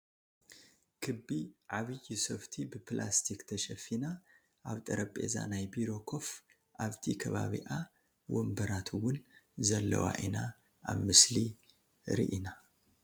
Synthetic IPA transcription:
kʰɨbːiʕaβɨjisɐft̪ʰibɨplʔast̪ʰikt̪ʰɐʃɐfina | ʔaβt̪ʼɐɾɐpʼe̞̰za̰najbiɾo̞kʰo̞f | ʔaβt̪ʰikʰɐβaβḭʔa | wʔombɐɾat̪ʰɨwʊnzɐlːɐ̰wa̰ʔina | ʔa̰βmɨsli | ɾḭʔina

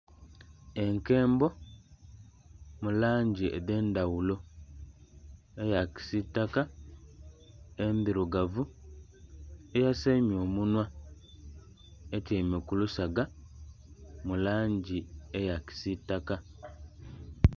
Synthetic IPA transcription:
e̞ŋke̞ːmbo̞ | mulaːɲɟiḛde̞ːndawulo̞ | ejaki̥sitːaka | endiɾuɡavu | ejasemjo̞ːmunwa | etemekulusaɡa | mulaːɲɟiejaki̥sitːaka

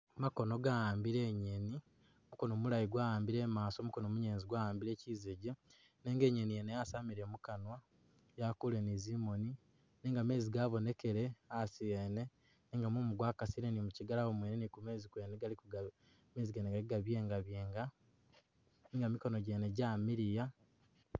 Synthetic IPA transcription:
mako̞no̞ɡajaːmbiɾe̞ɲeni | omuko̞no̞mulajiɡwaːjaːmbiɾe̞ːmaːso̞ːmuko̞nomuɲeːnziɡwaːjaːmbiɾe̞ːciːzeɟe | neːŋɡe̞ːɲenijenejasaːmiɾe̞mukanwa | jakule̞nizimo̞ni | neːŋɡame̞ːziɡaβo̞ne̞ke̞ɾe̞asijene̞ | neːŋɡamumuɡwaːkasiɾenimuciɡalawomweːnenikume̞ːzikwe̞ːneɡalikuɡa | me̞ːziɡeːneɡaliɡaβje̞ːŋɡaβje̞ːŋɡa | niŋɡamiko̞no̞ɟe̞ːne̞ɟamiɾija

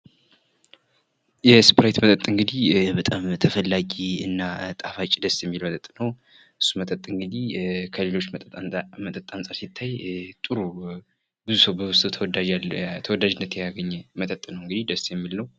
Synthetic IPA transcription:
jɛspʰɾajt̪mət̪ʼət̪ʼɨŋɡɨd̪ihbət̪ʼamt̪ʰəfəlːaɡiɨnːat̪ʼafat͡ʃʼːid̪əsjɛmːilmət̪ʼət̪ʼnəw | ʔɨsːumət̪ʼət̪ʼːɨŋɡɨd̪ikʰəle̞lo̞t͡ʃ̪ːʼmət̪ʼət̪ʼːansʼaɾsit̪ʰːajt̪ʼɨɾu | bɨzusəwbəwʊst̪ʼʰ | t̪ʰəwɔd̪ad͡ʒɪnːət̪ʰjɛjaɡəɲːɛmət̪ʼət̪ʼːnəwɨŋɡɨd̪id̪əsjɛmːilːəw

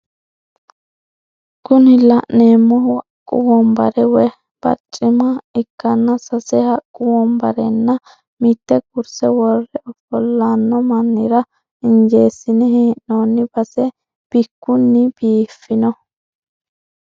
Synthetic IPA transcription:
kʊnɪlɐʔneːmːɔhkʼʊ̰wɔmbɐɾɛwɛ | b̥ɐ̰t͡ʃʼːɪmɐɪkːɐnːɐsɐsɛhɐkʼːʊwɔmbɐɾɛnːɐ | mɪt̪ːɛkʊɾsɛwɔrːɛʔɔfɔlːanːɔmɐnːɪɾɐ | ɪnd͡ʒeːsːɪnɛhɛʔnoːnːɪb̥ɐsɛ | b̥ɪkːʊnːɪb̥iːfɪnɔ

